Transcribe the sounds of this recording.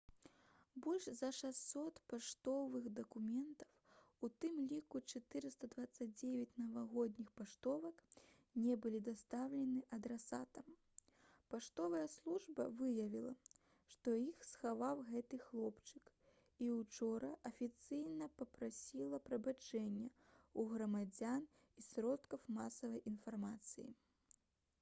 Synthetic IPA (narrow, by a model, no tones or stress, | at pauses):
bɔlʲʂzɐʂassːɔt̪paʂt̪ɔvɨɣd̪ɐkumʲɛnt̪ɐ̥w | ut̪ɨmlʲikut͡ʂat̪ɨɾɨst̪ɐd̪vat̪sːɐd͡z̚ʲd͡zʲevʲɐt͡sʲnɐvaɣɔd̪ʲnʲixpaʂt̪ɔvɐk | nʲɛbɨlʲid̪ast̪awlʲɛnɨʔɐd̪ɾasa̰t̪ɐm | paʂt̪ɔvɐjɐslˠuʐbɐ̰vɨjɐvʲilˠɐ̰ | ʂt̪ɔixsxavawɣɛt̪ɨxlˠɔpt͡ʂɨk | iwt͡ʂɔɾɐʔɐfʲit̪sɨjnɐpɐpɾasʲilˠɐpɾɐbat͡ʂɛnʲːɐuɣɾɐmad͡zʲan | isɾɔt̪kɐwmasɐvɐjʔinfarmat̪sɨjḭ